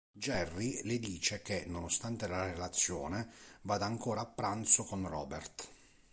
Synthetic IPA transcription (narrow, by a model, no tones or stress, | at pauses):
d͡ʒɛrːilɪd̪iːt͡ʃek̟enːonost̪ant̪elaɾelat̪sːjɔːnevaːd̪aːŋkɔːɾaːpːɾant̪sʊkonrɔːbɛrt̪